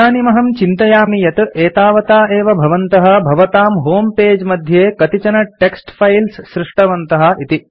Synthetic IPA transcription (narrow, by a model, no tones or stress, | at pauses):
aːnimɐɦɐmt͡ʃint̪ɐjaːmijɐt̪eːt̪aːʋɐt̪aːeːʋɐbʱɐʋɐnt̪ɐɦɐ̆bʱɐʋɐt̪aːmɦoːmpeːd͡ʒmɐd̪ʱjeːkɐt̪it͡ʃɐnɐʈeksʈpʰɐjlsʃɾɪʂʈɐʋɐnt̪ɐɦɐ̆it̪i